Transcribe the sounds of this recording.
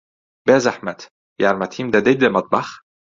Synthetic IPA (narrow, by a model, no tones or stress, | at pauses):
bæːzaħmæt̪ | jaɾmæt̪ʰiːmd̪æd̪ed̪æmɑt̪̚ˤbɑx